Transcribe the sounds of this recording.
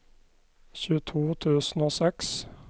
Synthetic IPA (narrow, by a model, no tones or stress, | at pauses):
çʉːt̪ʰuːt̪ʰʉːsn̩oːsɛks